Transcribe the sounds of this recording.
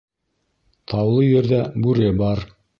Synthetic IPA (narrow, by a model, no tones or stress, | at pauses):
t̪ʰɑwlˠɤjɘ̆ɾðæbʉɾɘbɑɾ